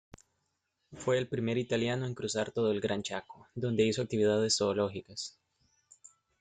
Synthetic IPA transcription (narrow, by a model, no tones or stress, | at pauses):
fwe̞ːlpɾime̞ɾit̪aljanoe̞ŋkɾusaɾt̪o̞ð̞oelɡɾant͡ʃako̥d̪o̞nd̪e̞isoak̚t̪iβiðað̞e̞sːo̞ːlo̞xikas